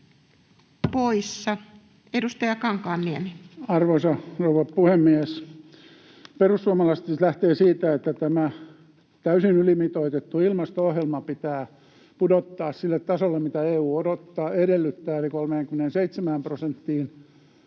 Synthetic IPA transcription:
poisːɑ | edust̪ɑjɑkɑŋkɑːnːieniɑrʋoisɑrouʋɑpuhemːies | perussuɑmɑlɑst̪ist̪læht̪eːsiːt̪æet̪ːæt̪æmæ | t̪æysinylimit̪oit̪et̪ːuilmɑst̪oohjelmɑpit̪æː | pudot̪ːɑːssilːet̪tɑsolːemmit̪æeːuːodot̪ːɑːedelːyt̪ːæːelikolmeːŋkymːenenseit̪semæːmprosent̪ːiːn

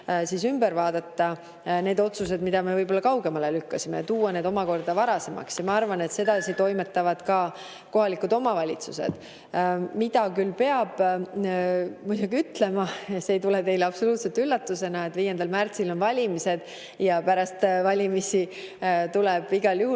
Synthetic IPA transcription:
siːsymbeɾvɑːd̪̥ɑt̪ːɑ | ne̞ːd̪o̞t̪sus̬e̞d̪mid̪ɑme̞vɤjbo̞lːɑkɑwɡe̞mɑlelykːɑsimejɑt̪uːwɑne̞ːd̪o̞mɑko̞rd̪̥ɑvɑɾɑse̞mɑ̰ksjɑmɑɑrvɑne̞t̪se̞d̪ɑsit̪o̞jme̞t̪ːˑɑvɑd̪̥kɑ | ko̞ɦɑlikud̪o̞mɑvɑlʲit̪susḛd̪̥ | mid̪ɑkylpe̞ɑb̥ | mujd̪uɡiyt̪le̞mɑɑseːjt̪ulet̪e̞jleɑpso̞luːt̪set̪ylːɑt̪ːˑuse̞nɑe̞t̪ːviːjend̪̥ɑlmært̪silo̞nvɑlʲimise̞d̪̥ | jɑpæɾɑst̪vɑlʲimisi | t̪ulɛb̥iɡ̥ɑljuɦu

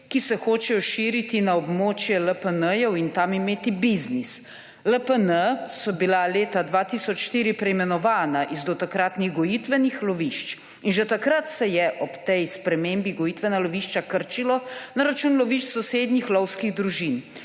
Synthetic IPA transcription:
kisɛxoːt͡ʃɛjɔʃiɾit̪inaɔbmoːt͡ʃjɛləpənəjɛwint̪amimeːt̪ibiznis | ləpənəsɔbilaleːt̪ad̪ʋat̪isɔt͡ʃʃt̪iːɾipɾɛimɛnɔʋaːnaʔizd̪ɔt̪akɾat̪niɣɡɔjit̪ʋɛnixlɔʋiʃt͡ʃ | inʒɛt̪akɾat̪sɛjɛʔɔpt̪ɛjspɾɛmembiɡɔjit̪ʋɛnalɔʋiːʃt͡ʃakəɾt͡ʃilɔnaɾat͡ʃuːnlɔʋiʃt͡ʃsɔseːd̪nixlɔwskiɣd̪ɾuʒin

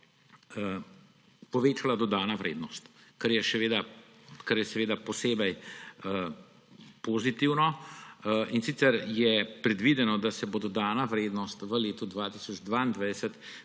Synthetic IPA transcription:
pɔʋeːt͡ʃalad̪ɔd̪aːnaʋɾʔḛːd̪nɔst̪kɐɾjɛʃɛʋeːd̪a | kɐɾjɛsɛʋeːd̪apɔseːbɛj | pozit̪iwnɔ | insiːt̪sɛɾjɛpɾɛd̪ʋid̪ɛnɔd̪asɛbod̪ɔd̪aːnaʋɾeːd̪nɔst̪ʋəleːt̪ud̪ʋaːt̪isɔd͡ʒd̪ʋaind̪ʋajd̪ɛsət̪

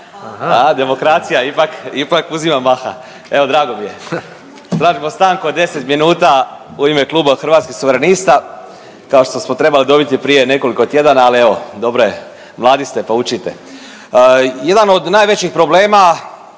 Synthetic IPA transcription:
ad̪e̞mo̞kɾat̪sijaipakipakuzimamaxa̰ | e̞ʋo̞d̪ɾaːɡo̞mije̞ | st̪ɾaːʒimo̞st̪aːŋkuod̪e̞set̪minuːt̪auime̞klˠuːbaxrʋat̪skixsuʋeɾenist̪a | kao̞ʃt̪o̞smo̞t̪ɾe̞balid̪o̞bit̪ipɾije̞ne̞ko̞liko̞t̪je̞d̪anaːlie̞ʋo̞d̪o̞bɾoe | mlˠaːd̪ist̪e̞paut͡ʃit̪e̞̰ | je̞d̪ano̞d̪naːjʋet͡ɕixpɾo̞ble̞ːma

